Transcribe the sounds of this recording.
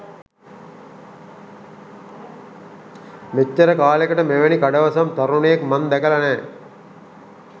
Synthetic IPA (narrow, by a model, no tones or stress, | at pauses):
met͡ʃːɐɾɐkaːlekɐʈɐmeʋɐnikɐɖɐʋɐsɐmt̪ɐɾuɳejekmɐnd̪ækɐlɐnɛː